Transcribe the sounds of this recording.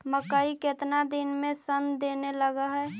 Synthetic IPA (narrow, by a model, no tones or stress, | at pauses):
məkaːiket̪nad̪inmẽsənd̪eːneləɡaɦɛ